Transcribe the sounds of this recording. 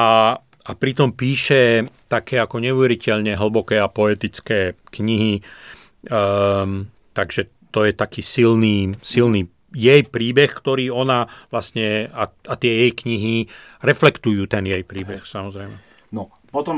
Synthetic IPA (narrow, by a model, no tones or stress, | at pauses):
a | apɾit̪ɔmpiːʃɛt̪akʰɛːakɔɲɛuʋɛɾicɛʎɲɛɦl̩bɔkɛːapɔɛt̪it͡skɛːkɲiɦi | t̪aɡʒɛ | t̪ɔjɛt̪akiːsilniːsilni | jɛjpɾiːbɛxkt̪ɔɾiːɔnaʋlasɲɛaat̪ɪɛjɛjkɲiɦi | ɾɛflɛkt̪ujuːt̪ɛnjɛjpɾiːbɛxsamɔzɾɛjmɛ | nɔ | pɔt̪ɔm